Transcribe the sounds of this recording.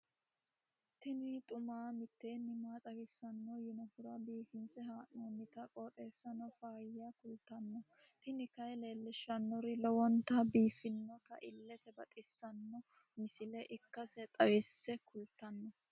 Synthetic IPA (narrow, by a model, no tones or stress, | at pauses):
t̪ɪnɪt̪ʼʊmaːmɪt̪ːeːnːɪmaːt̪ʼɐwɪsːɐnːɔjɪnɔfʊɾɐbiːfɪnsɛɦaːnːɔmɪt̪ɐkʼoːt̪ʼeːsːɐnɔfaːjːakʊlt̪ːɐnːɔ | t̪ɪnɪkɐjle̞ːlːɪʃɐnːɔɾɪlɔwɔnt̪ɐbiːfɪnːɔkɐ̰ʔɪlːɛt̪ɛbɐt̪ʼɪsːɐnːɔ | mɪsɪlɛʔɪkːɐsɛt̪ʼɐwɪsːɛkʰʊlt̪ːɐnːɔ